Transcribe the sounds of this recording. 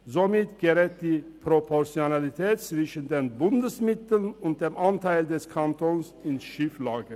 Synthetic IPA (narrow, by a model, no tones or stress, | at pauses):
zomɪtɡ̥əʁɛːt̚d̥iːpʁ̥opʰɔʁt͡sjonalitʰɛːtt͡sv̥ɪʃən̩deːnbʊndəsmɪtl̩nʊnt̚d̥eːmʔantʰaɪldɛskʰantʰonsɪnsʃiːflaːɡə